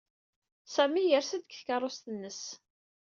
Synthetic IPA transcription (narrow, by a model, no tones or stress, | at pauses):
sæmijəɾsəd̪̚kθkɑrˤːost̪ənːəs